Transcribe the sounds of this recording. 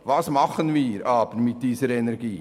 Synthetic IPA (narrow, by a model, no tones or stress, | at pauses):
vɑːsmɑχənviːɾɑːbəɾmɪt̚d̥iːsəɾɛnɛɾɡiː